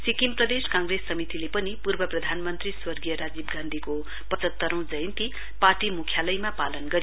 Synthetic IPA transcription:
sikimprʌd̪eskãŋɡresːʌmit̪ilepʌnipurbʌprʌd̪ʱanmʌnt̪riswʌrɡijʌɾad͡zib̚ɡãnd̪ʱiko | pʌt͡sʌt̪ːʌɾʌ̃w̃d͡zʌjnt̪i | parʈimukʰjalʌjmapalʌnɡʌɾijo

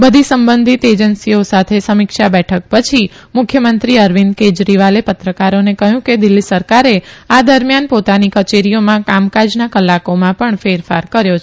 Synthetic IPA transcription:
bəd̪ʱisəmbənd̪ʱit̪ed͡ʒənsiosat̪ʰesəmɪkʃabɛʈʰək̚pət͡ʃʰi | mʊkʰjəmənt̪ɾiəɾʋinked͡ʒɾiʋalepət̪ɾəkaɾonekəɦjũked̪ɪlːisəɾkaɾead̪əɾmjanpot̪anikət͡ʃeɾijomãkamkad͡ʒnakəlːakomãpəɳfeɾfa̰ɾkəɾjot͡ʃʰe

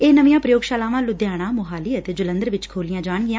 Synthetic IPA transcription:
eːnəʋɪjãːpɾəjoːɡʃaːlaːʋãːlʊd̪jaːɽ̃ãːmʊɦaːliːət̪eːd͡ʒʊlə̃nd̪əɾʋɪt͡ʃkʰoːlɪjãːd͡ʒaːɳɡɪjãː

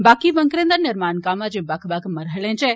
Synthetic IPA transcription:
baːkiʋɐ̃ŋkɾẽːnd̪əɾnɪɾmaːnkaːmad͡ʒẽbakʰbakʰmɐɾɦəlẽt͡ʃɛ

